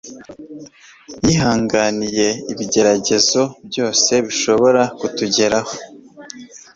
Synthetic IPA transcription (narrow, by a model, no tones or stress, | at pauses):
jiɦaːŋɡanije̞iβiɟe̞ɾaɟe̞zo̞bjo̞ːse̞βiʃo̞βo̞ɾakutuɟe̞ɾaho